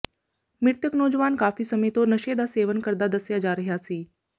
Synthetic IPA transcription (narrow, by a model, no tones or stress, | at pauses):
miɾt̪jəknoːd͡ʑʋaːnkaːfiːsəmet̪onəʃeːd̪aseːʋənkəɾd̪ad̪əsjad͡ʑaːɾəɦjaːt͡siː